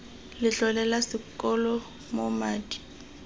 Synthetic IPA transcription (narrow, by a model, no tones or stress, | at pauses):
lɪɬɔlɛlasɪkʼɔlɔ | momaːdi̥